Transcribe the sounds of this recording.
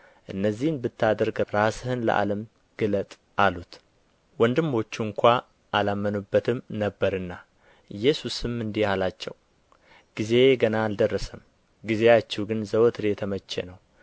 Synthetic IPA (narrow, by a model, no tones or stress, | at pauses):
ʔɨnːəzːihnbɨt̪ːad̪əɾɡɾashɨnlə̰ʔa̰ləm | ɡ̥ɨlət̪ʼ | ʔalut̪ | wɔnd̪ɨmːo̞t͡ʃːuŋkʷʰa | ʔalamːənubːət̪ʰɨmnəbːəɾɨnːa | ɨjːɛsusɨmːɨnd̪ihalat͡ʃːɛ̰w | ɡ̥ize̞ɡənaːld̪ərːəsəm | ɡize̞at͡ʃːɛwɡɨnzəwt̪ɨɾeet̪ʰəmət͡ʃːḛnəw